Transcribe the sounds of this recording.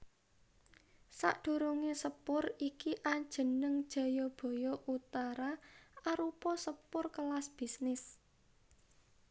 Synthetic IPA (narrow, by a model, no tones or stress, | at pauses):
sa̰ʔɖ̪̥ṳɾuŋesəpʊrikiʔaɲ̥d͡ʒ̥ə̤nəŋd̥ʒ̥a̤jɔb̥o̤jɔʔut̪aɾaaɾupɔsəpʊrkəlasb̥i̤snɪs